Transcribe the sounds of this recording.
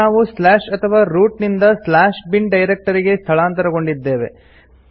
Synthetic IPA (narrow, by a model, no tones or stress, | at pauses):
aːʋuslaːʂɐt̪ʰɐʋaːɾuːʈnind̪ɐslaːʃbiɳɖɐjɾek̚ʈɐɾiɡe̞st̪ʰɐɭaːnt̪ɐɾɐɡo̞ɳɖid̪ːe̞ːʋe̞̰